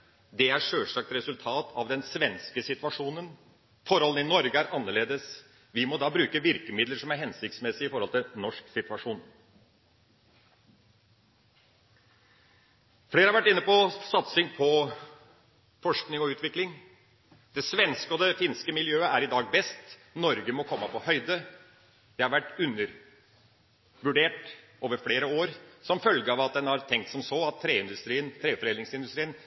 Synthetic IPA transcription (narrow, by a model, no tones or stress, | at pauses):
d̪ɛæɾʂøːʂɑk̚t̪ɾɛsʉlt̪ʰɑːt̪ʰɑʋd̪ɛnsʋɛnskəsɪt̪ʋɑʂuːnən | fɔɾhɔlən̩ɪnɔɾɡəæɾʔɑnːəɭeːd̪əs | ʋɪmɔd̪ɑːbɾʉːkəʋɪɾkəmɪd̪ləɾʂɔmæɾɦɛnsɪk̚t̪smɛsɪɪfɔɾɔlt̪ɪlnɔʂksɪt̪ʉʋɑʂuːn | fleːɾəɑɾʋæʈːɪnːəpɔsɑt̪sɪŋpʰɔ | fɔʂknɪŋɔʉːt̪ʋɪklɪŋ | d̪̥ɛsʋɛnskəɔd̪ɛfɪːnskəmɪljøːəʔæɾɪd̪ɑːɡ̚bɛst̪nɔɾɡəmɔkʰɔmːəpɔhœʏd̪ə | d̪̥ɛhɑɾʋæʈːʉnːəɾ | ʋʉɖeːʈ | ʔoːʋəɾfleːɾəoːɾsɔmfœlɡəɑʋɑt̪̚d̪ɛnhɑɾt̪ʰɛŋk̚t̪sɔmsoːɑt̪ʰːɾeːɪnd̪ʉst̪ɾiːənt̪ʰɾeːfɔɾeːlɪŋsɪnd̪ʉst̪ɾiːən